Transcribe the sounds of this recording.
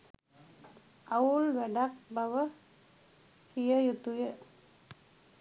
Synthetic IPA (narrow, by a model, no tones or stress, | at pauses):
aulwɛɖak̚bʱawə | hijəjut̪ujə